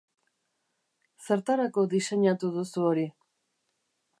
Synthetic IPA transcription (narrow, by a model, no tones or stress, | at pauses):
se̞ɾt̪aɾako̞ðise̞ɲat̪uðusuo̞ɾi